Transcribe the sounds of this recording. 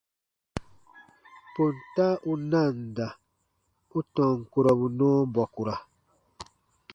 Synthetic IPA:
po˨n˨ta˦ʔu˦na˦˨n˨da˨ | u˦tɔ̃˨ŋ̩˨ku˨ɾɔ˨bu˨nɔː˦bɔ˨ku˨ɾa˨

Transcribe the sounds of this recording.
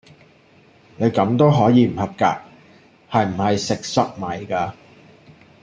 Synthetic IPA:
ne˨˧jkɐ˨˥mt̪o˥wɦɔː˨˥jiː˨˧m̩˨˩hɐ˨˩p̚ka̰ː˧k̚ | hɐ˨jm̩˨˩hɐ˨jsɪ˨k̚sɐ˥k̚mɐ˨˩jkaː˧

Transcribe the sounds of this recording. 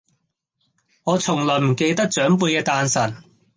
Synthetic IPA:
ŋɔː˨˧t͡sʰʊ˨˩ŋlɔː˨˩m̩˨˩ke˧jt̪ɐ˥k̚t͡sœː˨˥ŋp̬uː˧jkɛː˧t̪aː˧nsɐ˨˩n

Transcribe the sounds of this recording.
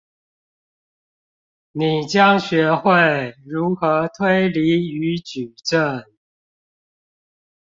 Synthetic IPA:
ni˨˩t͡ɕjɑ˦ŋɕɥɛ˨˧˥xwe˥˨ɪɻu˧˥xɤ˧˥t̪ʰwe˥ɪli˧˥y˧˥˦t͡ɕy˨˩ʈ͡ʂə˥˩ŋ

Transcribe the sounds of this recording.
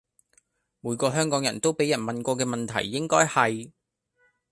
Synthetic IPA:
muː˨˧jkɔː˧ɦœː˥ŋkɔː˨˥ŋjɐ̰˨˩nt̪o˥wpe˨˥jɐ˨˩nmɐ˨nkɔː˧k̬ɛː˧mɐ˨nt̪ʰɐ̰˨˩jːɪ˥ŋkɔː˥jhɐ˨j

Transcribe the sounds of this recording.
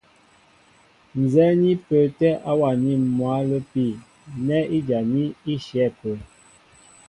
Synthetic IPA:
n˨zɛ˦ni˦pə˨tɛ˦ʔa˦wa˨ni˦˨mwa˨˦lə˦pi˦˨ | nɛ˦i˦d͡ʒa˨ni˦i˦ʃjɛ˨˦˨pə˨

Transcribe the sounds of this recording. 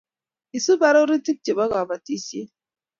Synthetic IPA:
i˨su˦ba˨ɾo˦ɾi˦ti˦k̚t͡ʃi˨ba˦ɡa˨ba˨ti˦se˦

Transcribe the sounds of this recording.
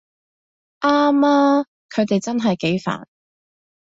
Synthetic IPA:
ʔaː˥maː˥ | kʰɵ˨˧ɥt̪e˨jt͡sɐ˥nɦɐ˨jke˨˥jfa̰ː˨˩n

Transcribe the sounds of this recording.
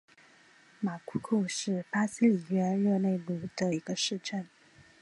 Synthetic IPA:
ma˨˩kʰu˥kʰu˥˧ʂɻ̩˥˩pa˥si˥li˨˩ɥɛ˥nɻɤ˥˧ne˥˧ɪlu˥˩d̪̥ə˧i˧˥ɡə˧ʂɻ̩˥˧ʈ͡ʂə˥˩n

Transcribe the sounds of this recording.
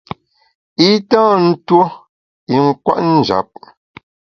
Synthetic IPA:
i˦tãː˦˨n̩˦two˦ | i˨ŋ̩˦kwa̰˦ʔn̩˦˨d͡ʒa̰˨˦p̚

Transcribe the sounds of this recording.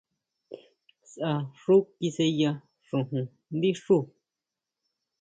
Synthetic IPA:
sʔa˧ʂu˦ki˧se˧ja˧ | ʂũ˨ɦũ˨ | nd̪i˦ʂu˦˨

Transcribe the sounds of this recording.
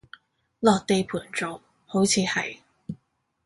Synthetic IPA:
lɔː˨k̚t̪e˨˧jpʰuː˨˩nt͡so˨˩w | ho˨˧˥wt͡sʰiː˨˧hɐ̰˨˩j

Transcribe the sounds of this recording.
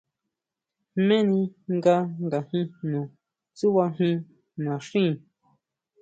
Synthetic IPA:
mẽ˦nĩ˧ŋɡa˧ŋɡa˨hĩ˧nũ˨ | t͡su˦βa˧ɦĩ˧ | nã˨ʂĩ˦˨

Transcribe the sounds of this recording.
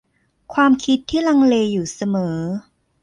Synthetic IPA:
kʰwaː˧mkʰi˦˥t̪ʰːiː˥˩la˧ŋleː˧juː˨˩sa˧mɤː˩˦

